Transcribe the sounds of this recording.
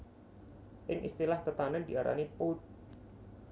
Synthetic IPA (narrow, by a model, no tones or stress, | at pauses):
ʔɪŋʔḭst̪ilaht̪ət̪anədiaɾʔa̰niput̪̚